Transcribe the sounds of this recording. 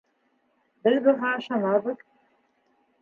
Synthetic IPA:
bɘðbɤ̆ʁɑʃɑnɑbɤ̆ð

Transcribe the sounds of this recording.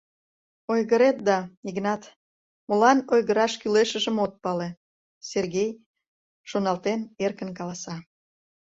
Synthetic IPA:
ojɣəɾet̪̚d̪ɑiɣnɑt̪ | molɑnojɣəɾɑʃkyleʃəʒəmot̪̚pɑle | serɣej | ʃonɑlt̪enerkənkɑlɑsɑ

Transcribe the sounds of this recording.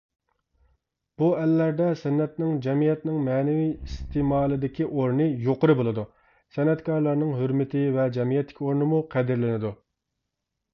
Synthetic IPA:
b̥uɛlːæɾd̪ɛsɛnːɛt̪̚nɪŋd͡ʒɛmijɛt̪nɪŋmɛnɪvijist̪emɑːlˠɨd̪ɪkʲʰiʔoɾnɨjoqəɾɨbolˠɨd̪u | sɛnɛt̪kʰɑɾlˠɑɾnɨŋɦøɾmɪt̪ʰɪvɛd͡ʒɛmijɛt̪ːɪ̥kʲioɾnɨmuqʰɛd̪ɪɾlɪnɪd̪u

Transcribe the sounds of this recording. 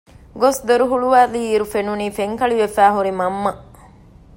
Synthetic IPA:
ɡosd̪ɐɾuɦuɭuʋæːliiːɾufenuniːfeŋkɐɭiʋefæːɦuɾimɐmːɐ

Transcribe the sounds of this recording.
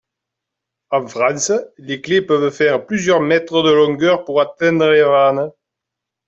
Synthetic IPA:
ãfχɑ̃səleklepœvəfɛʁəplyzjœʁmɛt̪χəd̪əlɔ̃ŋɡœʁpuʁat̪ɛ̃nd̪ʁəeʁanə

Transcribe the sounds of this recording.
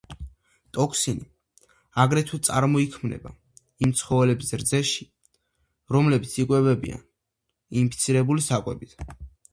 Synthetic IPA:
t̪ʼɔkʰsini | aɡɾɛt̪ʰwit̪sʼaɾmɔikʰmnɛ̰ba | imt̪sʰχɔvɛlɛbzɛɾd̪zɛʃi̥ | ɾɔmlɛbit̪sʰikʼwɛbɛbḭa̰n | inpʰit̪sʰiɾɛbulisakʼwɛbit̪ʰ

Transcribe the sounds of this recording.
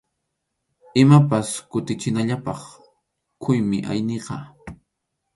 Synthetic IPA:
ɪmapaskʊt̪ɪt͡ʃɪnaʎapɑχ | kʰʊjmɪʔa̰jneqɑ

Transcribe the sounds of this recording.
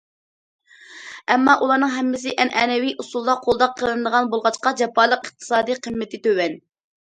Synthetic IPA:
ɛmːɑʔulˠɑɾnɨŋɦɛmːɪsɪʔɛnʔɛːnɛwiʔusulˠd̪ɑqʰolˠd̪ɑqʰːəlˠɨnɨd̪əʁɑnbolˠʁɑt͡ʃqɑd͡ʒɛpɑːlˠəqəχ̚t̪ʰɨ̥sɑːd̪iqʰəmːɪt̪ʰɪt̪øwɛn

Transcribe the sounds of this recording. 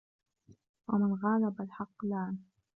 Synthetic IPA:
wamɪnɣaːlabalħɑqːlaːn

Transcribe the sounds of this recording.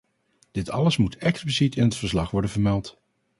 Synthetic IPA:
d̥ɪtʰɑ̰ləsmutʰɛksplisitɪnɦətfəɹslɑχʋɔɹdənvəɹmɛlˠt

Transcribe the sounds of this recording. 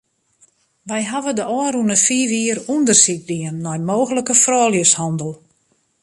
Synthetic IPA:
ʋɛjɦaʋədəʔɔːɾunəfiːʋiəɾundərsik̚diənːɔjmoːɣələkəfrɔːljəshɔndəlˠ

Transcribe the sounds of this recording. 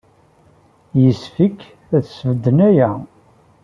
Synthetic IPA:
jəsfəkː | æθsəvd̪ənæjæ

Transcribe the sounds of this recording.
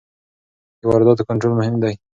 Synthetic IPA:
əwaɾɪd̪ɑt̪okaɳʈɾolmʊhɪmd̪aj

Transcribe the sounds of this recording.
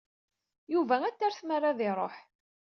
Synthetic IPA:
juvææt͡sːæɾθmərːaðɪɾˤo̰ħ

